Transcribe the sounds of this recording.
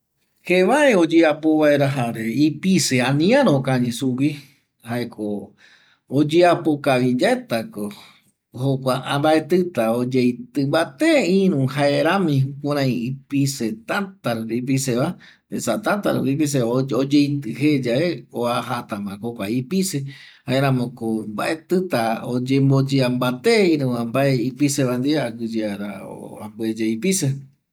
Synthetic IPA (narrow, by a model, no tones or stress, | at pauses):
heβaeod͡ʒeapoβaeɾaɦaɾeipiseãnĩãɾokãɲĩsuwi | haekʰo | od͡ʒeapokaβid͡ʒaet̪ako | hokʷaãmbaet̪ɨt̪aod͡ʒejt̪ɨmbat̪eĩɾũhaeɾãmĩhũkãɾ̃ãĩipiset̪at̪aɾipiseβa | esat̪at̪a̰ɾβip̬is̬eod͡ʒejt̪ɨɦed͡ʒaeoaɦat̪ãmãkokʷaipise | haeɾãmõkomba̰ʔet̪ɨt̪aod͡ʒembod͡ʒeambat̪eĩɾũãmbaeipiseβand̪iaɡɨd͡ʒeaɾa̰o̰a̰mbued͡ʒeipise